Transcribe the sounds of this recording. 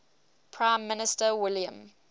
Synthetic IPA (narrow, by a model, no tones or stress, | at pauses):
pʰɹ̥ãɪ̃mːɪnɪstəwɪljə̰̃m